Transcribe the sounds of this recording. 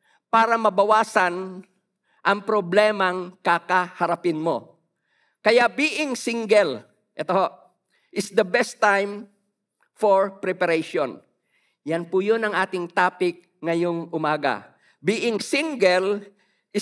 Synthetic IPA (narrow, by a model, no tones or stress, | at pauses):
paːɾɐmɐbɐwaːsɐn | ʔɐŋpɾoblɛːmɐŋkakɐhɐɾɐpɪnmo̞̰ | kɐjaʔbiːʔɪŋsɪŋɡɛl | ʔɛt̪ohoʔ | ʔɪsd̪ɐbɛst̪ːajm | foɹpɾɛpɐɾɛjʃon | janpʊjonɐŋʔaːt̪ɪŋt̪aːpɪk̚ | ŋɐjoŋʔʊmaːɡɐ̰ | biːʔɪŋsiŋɡɛl | ʔɪ